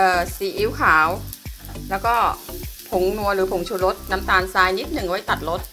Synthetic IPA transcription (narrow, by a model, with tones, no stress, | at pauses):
ʔɤː˨˧˩siː˨˦ʔiː˧˥˨wkʰaː˩˦w | lɛː˦˥wkɔː˥˩pʰo˨˦ŋnu˧əlɯː˨˩˦pʰo˨˩˦ŋt͡ɕʰu˧˦lo˧˦˥t̪̚na˧˥mt̪aː˧˩nsaː˧jni˦˥t̪̚nɯ˨˩ŋwa˧˥˩jt̪a˨˩t̪̚lo˧˦˥t̪̚